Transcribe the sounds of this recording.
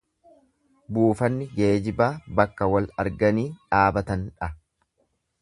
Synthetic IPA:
buːfɐnːɪɡeːd͡ʒɪbaːbɐkːɐwɐlɐɾɡɐniːᶑaːbɐt̪ɐnᶑɐ

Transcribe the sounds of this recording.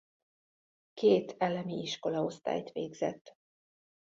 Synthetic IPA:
keːt̪ʰɛlɛmiiʃko̞lɒo̞st̪a̰ːjt̪ʋḛːɡz̥ɛ̰t̪ː

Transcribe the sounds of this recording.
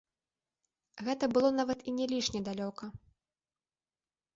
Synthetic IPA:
ɣɛt̪ɐbɨlˠɔnavɐt̪inʲɛlʲiʂnʲɛd̪alʲɔkɐ

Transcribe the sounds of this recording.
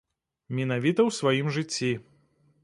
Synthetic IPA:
mʲinavʲit̪ɐwsvajimʐɨt͡sʲːi

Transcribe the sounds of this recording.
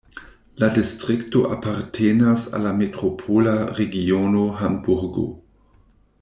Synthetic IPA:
ladistɾikto̰ʔapaɾtʰenasa̰lametɾopʰolaɾeɡionoɦambuɾɡo̰

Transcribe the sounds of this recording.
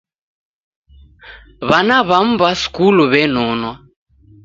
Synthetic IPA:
βanaβam̩baskuluβɛnɔnwa

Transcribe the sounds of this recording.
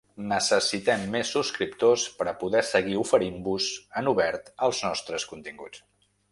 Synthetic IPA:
nəsəsit̪ɛmːesːuskɾipt̪ospəɾəpuðɛsəɣiufəɾimbuzənuβɛɾt̪əlˠznɔst̪ɾəskunt̪iŋɡṵt͡s

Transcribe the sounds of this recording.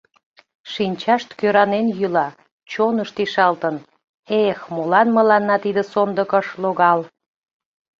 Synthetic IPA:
ʃinʲt͡ɕɑʃt̪køɾɑnenjylɑ | t͡ɕonəʃt̪iʃɑlt̪ən | exmolɑnməlɑnːɑt̪id̪əsond̪əkəʃloɣɑl

